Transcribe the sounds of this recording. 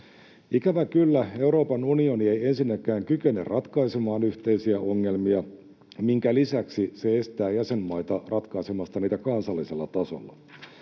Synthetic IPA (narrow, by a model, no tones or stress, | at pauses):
ikæʋækylːæe̞uɾo̞ːpɑnunio̞nie̞je̞nsinːækˑæːŋkyke̞nḛrrʔɑt̪kɑisemɑːnyçt̪e̞isiæʔo̞ŋːe̞lmiɑ | miŋkælisæksise̞est̪æːjæse̞mːɑjt̪ɑrɑt̪kɑisemɑst̪ɑniːt̪ækɑnsɑlːiselːɑt̪ɑso̰lːɑ